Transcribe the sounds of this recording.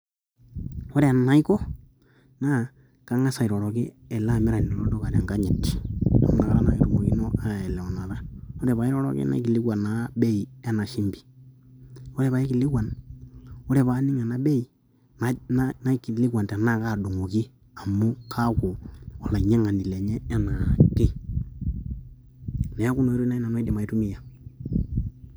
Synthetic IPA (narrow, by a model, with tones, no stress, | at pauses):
o˦ɾɛ˦a˨na˨˦i˦kɔ˦ | na˦ | ka˦ŋa˦sa˨i˨ɾɔ˨ɾɔ˨kɪ˦ | ɛ˨la˦˨mɪ˦ɾa˨ni˨nɔ˨lɔ˦dɔ˦ka˨ɾa˨ŋɡa˦ɲɛ˨ti̥˨ɔ̰˦na˨ɣa˦ɾa˦na˨e˨ɾu˨ŋo˨ki˦nɔ˦a˦˨ɛ˨lɛ˨ɔ˨na˨ða˦o˦ɾɛ˨βa˨i˦ɾɔ˦ɾɔ̰˨˦kḭ˦na̰˦i˦ki˨li˦kwa˨na˨˦be˦i˨a˦na˨ʃi˦mbi̥˨ | o˦ɾɛ˨βa˨i˦ki˨li˦kwa˨n | o˦ɾɛ˨βa˨˦ni˦ŋa˨na˦be˦i˨ | na˦na˦na˦ki˨li˦kwa˨nta˨na˦˨ka˦˨du˨ŋo˨ki˦ | a˨mu˦kʰa˦kɔ˨wa˨la˨ɲɛ˦ŋa˨ndi˨le˨ɲɛː˦na˨kɪ˦ | nɛ˨a˦ku˦no˨˦i˦ɾu˦na˦i˦na˨n˦a˦de˨ma˨i˦tu˦mi˦ja˨